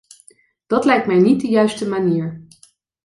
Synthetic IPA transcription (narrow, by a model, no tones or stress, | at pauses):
d̥ɑtlɛjk̚tmɛjnit̚dəjœɥstəmaniːɹ